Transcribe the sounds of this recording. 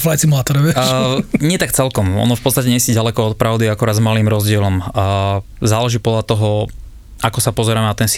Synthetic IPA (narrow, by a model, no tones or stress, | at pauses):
flajt͡simulat̪ɔɾɔɛɲɪɛt̪akt͡sɛlkɔmɔ̰nɔfpɔtt͡st̪acɛɲɛsiɟalɛkɔɔt̪̚pɾaʊd̪iakuɾaːd̪zmaliːmɾɔzɟɪɛlɔm | zaːlɛʒiːpɔd̪ʎat̪ɔɦɔ | ʔakɔsapɔzɛɾaːmɛnat̪ɛns